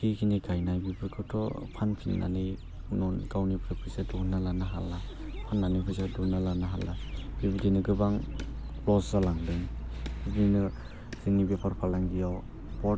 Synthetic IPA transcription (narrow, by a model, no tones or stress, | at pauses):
kʰikʰiniɡajnajbibʰɯkʰɯtʰɔpʰanpʰinːa̰nɯj | nɔnɡawnipʰɾɯpʰɯsedunalanaɦa̰lːa | pʰanːanɯjpʰɯjsadunalanaɦalːab̥ibidinɯɡɯbaŋ | plɔszalaŋdɯŋbibidinɯ | z̥inibepʰaɾpʰalaŋɡijaw | bɔ